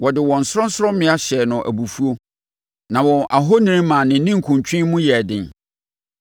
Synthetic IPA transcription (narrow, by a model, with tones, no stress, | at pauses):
wɔ˨dɪ˨wɔ̃˨n̩˨sʊ˦ɾɔ̃˦n̩˦sɾɔ̃˦mɪ̃˦a˦ɕɛ˨nʊ̃˨ʔæ̰˨bu˨fu˦o˦ | nã˨wɔ̃˨ʔa˨ɦo˦nĩ˦ñ˦mã˨nɪ̃˨˦nɪ̃˦ŋ̩˨kʰũ˨ɲt͡ɕᶣɪ̃˦mʊ̃˦jɛ˨dɪ̃˨n